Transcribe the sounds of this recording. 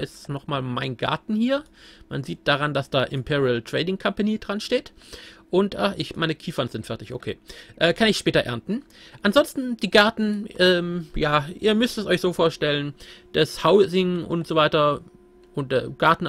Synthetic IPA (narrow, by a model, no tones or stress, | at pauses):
ʔɪstnɔχmaːlmaɪnɡa̰ɐtn̩hiːɐma̰nziːt̚d̥aʁand̥asd̥aːʔɪmpʰiːʁiəltʁ̥ɛːdɪŋkʰampanid̥ʁanʃteːtʔʊntʔaːʔɪçmaɪnəkʰiːfɐnz̥ɪntfɛɐtɪçʔo̰kʰḛːʔɛːkʰanɪçʃpɛːtɐʔɛ̰ɐntn̩ | ʔanzɔnstn̩d̥iːɡaɐtn̩ʔɛːmjaːʔḭːɐmʏstɛsʔɔçz̥oːfoːɐʃtɛlənd̥ashaʊzɪŋʔʊ̰ntz̥oːvaɪtɐ | ʔʊnt̚d̥ɛɡ̥aɐtn̩